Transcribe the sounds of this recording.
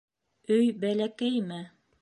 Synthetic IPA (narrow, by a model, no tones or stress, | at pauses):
ɵjbælækæjmɘ